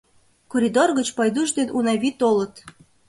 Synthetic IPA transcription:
koɾʲid̪orɣət͡ɕpɑjd̪uʒd̪enunɑβʲit̪olət̪

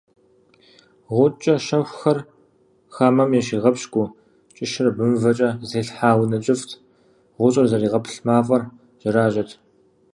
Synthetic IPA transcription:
ʁʷʊt͡ʃʼɐʃɐxʷxɐr | xaːmɐmjɛʃiːʁɐpɕɡʷʼʊ | t͡ʃʼɪʃɪrbɨmvɐt͡ʃʼɐzeːɬħaːwnɐt͡ʃʼɪftʰ | ʁʷʊɕʼɐrzɐriːʁɐpʰɬmaːfʼɐr | ʒ̥ɐɾaːʒɐtʰ

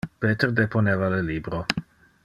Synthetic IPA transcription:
peːt̪erd̪epʰonevaleliːbɾo

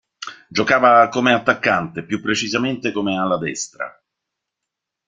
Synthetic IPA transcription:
d͡ʒokaːvakomeat̪ːakːant̪epjupːɾet͡ʃizament̪ekomealːad̪ɛst̪ɾa̰

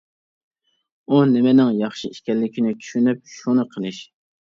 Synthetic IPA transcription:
unɪmɪnɪŋjɑχʃiiʃkʲɛlːɪkʲʰinɪt͡ʃʰy̥ʃynyp̚ʃunɨqʰəlˠɨʃ

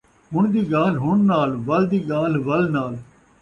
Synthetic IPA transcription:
ɦʊɳd̪iːɡaːlɦʊɳnaːlʋəld̪iːɡaːlʋəlnaːl

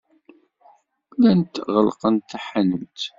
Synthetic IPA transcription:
lænt̪ʁəlqənt̪ːæħanəmt̪

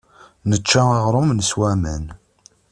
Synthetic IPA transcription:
nət͡ʃːaaʁɾˤʊmnəswæmən

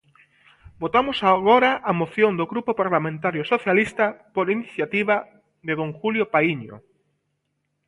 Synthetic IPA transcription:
bot̪amʊsaɣoɾaʔamoθjond̪oɣɾupopaɾlamẽnt̪aɾjosoθjalist̪apoɾiniθjat̪iβa | ðeðõŋxuljopaiɲo̰

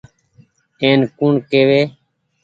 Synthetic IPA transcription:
eːnkuɳkeːʋeː

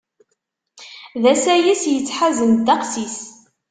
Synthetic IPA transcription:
ðæsæjisjət͡sːħazənd̪ɑqsis

